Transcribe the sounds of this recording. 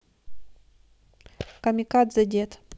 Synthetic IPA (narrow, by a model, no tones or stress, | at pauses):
kɐmʲɪkad̪zɐdʲet̪